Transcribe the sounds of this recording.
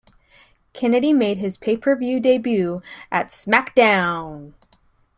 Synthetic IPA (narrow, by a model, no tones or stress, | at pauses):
kʰɛnɨɾimeɪd̚ɪz̥pʰeɪpʰə˞vjʉdeɪbjʉʔɨtsmæk̚d̥ãʊ̃n